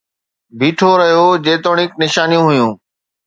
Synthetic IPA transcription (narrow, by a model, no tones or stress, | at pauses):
bʱiːʈʰoɾɐɦijod͡ʑeːt̪oːɽ̃ɪknɪʃaːnijũɦʊjũː